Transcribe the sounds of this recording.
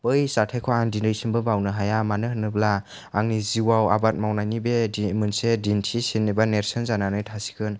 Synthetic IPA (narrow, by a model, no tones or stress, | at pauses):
pɯjsatʰajkʰɔandindɯjsimbɯbawnɯɦajamanɯɦɯnːɯblaː | ŋniziwawa̰bat̚mawnajnibedimɯnsedintʰisinːibaneɾsɯnzananɯjtʰasi̥kʰɯn